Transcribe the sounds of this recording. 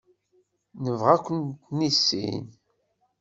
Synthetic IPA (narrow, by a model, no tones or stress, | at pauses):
nəvʁækʷːənt̪nisːḭn